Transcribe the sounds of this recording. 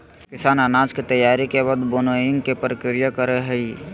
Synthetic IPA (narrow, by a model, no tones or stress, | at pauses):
kɪsaːnanaːd͡ʒkit̪əjaːɾikebad̪boːnojɪ̃ŋɡkepɾəkɪɾɪjakəɾeɦɛi